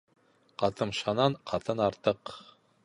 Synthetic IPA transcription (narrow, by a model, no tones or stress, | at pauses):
qɑt̪ɤmʃɑnɑɴqʰɑt̪ɤnɑɾt̪ɤq